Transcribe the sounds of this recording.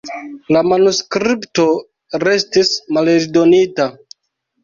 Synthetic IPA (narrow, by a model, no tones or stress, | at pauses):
lamanuskɾipto̞ | ɾe̞stismaleɾdo̞nita